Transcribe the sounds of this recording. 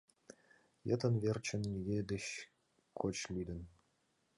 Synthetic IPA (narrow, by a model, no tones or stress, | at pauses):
jə̰t̪ʰə̆nvʲert͡ɕʰɘ̆nnʲiɡʲed̪ɘ̆ɕ | kʰot͡ɕlʲid̪ɘ̆n